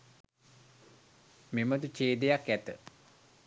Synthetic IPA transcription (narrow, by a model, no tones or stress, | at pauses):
memət̪ut͡ʃeːd̪ejakæt̪ə